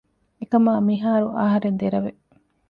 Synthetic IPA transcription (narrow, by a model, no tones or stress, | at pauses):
ekɐmaːmiɦaːɾuʔaːɦɐɾend̪eɾɐʋe